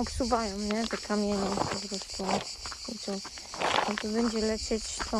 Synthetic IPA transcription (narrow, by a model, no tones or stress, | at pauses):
ɔpsuvajɔ̃mɲɛt̪ɛkʰamʲjɛɲɛzɾɔst̪ɔit̪ɔ | ɔt̪ɔbɛɲd͡ʑɛlɛt͡ʂɛt͡ɕt̪ɔ